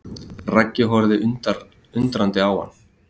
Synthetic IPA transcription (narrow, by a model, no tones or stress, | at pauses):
racːɪɦɔɾðɪʔʏt̪ | ʏnt̪ɾant̪ɪawha̰nː